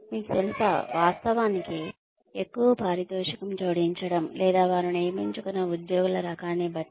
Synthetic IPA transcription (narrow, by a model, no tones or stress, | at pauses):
miːkut̪elusɐ̰ʋaːst̪ɐʋaːniki | ekːuʋɐpaːɾid̪ɔːʂɐkɐmt͡ʃoːɽiɲt͡ʃɐɽɐmlʔɛːd̪aːʋaːɾiniːmiɲt͡ʃukunːɐud̪joːɡulɐɾɐkaːneːbɐʈː